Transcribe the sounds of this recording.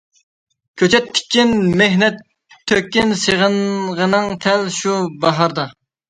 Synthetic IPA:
kʲʰøt͡ʃʰɛt̪ʰːɪ̥kʲʰːinmeɦnɛt̪ʰː | økʲːinseʁənʁənɨŋt̪ʰɛlʃubɑɦɑɾd̪ɑ

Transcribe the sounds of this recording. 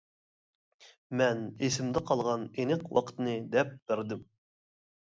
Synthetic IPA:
mɛnesɪmd̪ɛqʰɑlˠʁɑnenɨqwɑ̰qʰə̥t̪nɨd̪ɛp̚b̥ɪɾd̪ɪm

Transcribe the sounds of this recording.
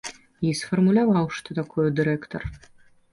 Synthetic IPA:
isfɔrmulʲavɑwʂt̪ɔt̪akʰɔjɛd̪ɨɾɛkt̪ɔr

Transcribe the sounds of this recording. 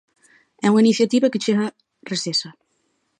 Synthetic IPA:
ɛuŋainiθjat̪iβaket͡ʃeɣa | resesa

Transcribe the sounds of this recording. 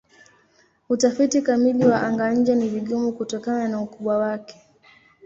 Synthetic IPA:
utafitikamiliwaʔaŋɡaɲ̩d͡ʒaniviɠumukutɔkananaukuɓwawakɛ̥

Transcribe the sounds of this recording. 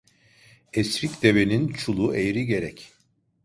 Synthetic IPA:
esɾicd̪e̞ve̞nint͡ʃʰulˠuʔejɾiɟe̞ɾɛc

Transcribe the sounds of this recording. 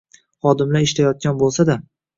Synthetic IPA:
χɒd̪ɪmlaɾɪʃt̪ajɒt̪̚ɡʲanbolˠsad̪a

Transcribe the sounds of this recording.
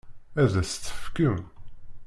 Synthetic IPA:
æðæst͡s̪ːə̥fkəm

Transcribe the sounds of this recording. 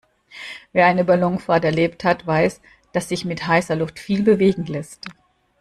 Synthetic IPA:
veːɐʔaɪnəbalɔŋfaɐtɛɐleːpthatv̥aɪs | d̥asz̥ɪçmɪthaɪsɐlʊftfiːlbəveːɡŋ̩lɛst

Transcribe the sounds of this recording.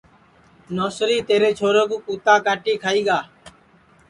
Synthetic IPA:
noːsɾiːt̪eːɾeːt͡ʃʰoːɾəkuːkuːt̪aːkaːʈiːkʰaːiːɡaː

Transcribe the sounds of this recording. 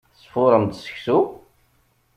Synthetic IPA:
θsˤfʊɾˤəmd̪sə̥çsu

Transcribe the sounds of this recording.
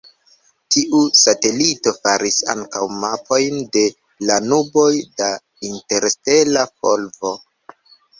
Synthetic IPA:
tiʔusate̞lito̞faɾisa̰ŋkawmapʰo̞jnde̞ | lanubo̞jda | inte̞ɾste̞lafo̰lvo̞

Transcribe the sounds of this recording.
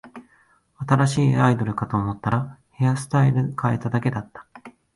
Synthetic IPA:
at̪aɾaɕiːaid̪o̞ɾɯ̟kat̪o̞ːmo̞t̪ːaɾahe̞asɨ̥t̪aiɾɯ̟kʰae̞t̪ad̪ake̞d̪at̪ːḁ

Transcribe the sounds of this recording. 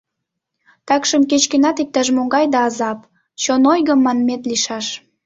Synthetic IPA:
t̪ɑkʃəmket͡ɕkenɑt̪ik̚t̪ɑʒmoŋɡɑjd̪ɑːzɑp̚ | t͡ɕonojɣəmːɑnmet̪liʃɑʃ

